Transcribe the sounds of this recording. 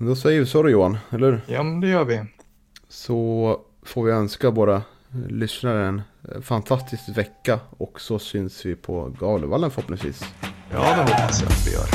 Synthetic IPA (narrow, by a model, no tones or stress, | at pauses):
mɛnd̪ɔsɛjːəɾvɪsɔd̪ɵjuːanɛlːhʉɾjɑːmɛnd̪ɛjœːɾʋɪ | sɔ | foːɾvɪœnskaboːd̪a | lʏsnaɾəɛnfant̪ʰast̪ɪskvɛkːaɔksɔsʏnsvɪpʰɔ̰ɡɑːlə̰valːənfœɾɔpːnɪŋsvḭːsjɑ̰ːd̪ɛhɔpːasja̰t̪vɪ̰jœ̰ːɾ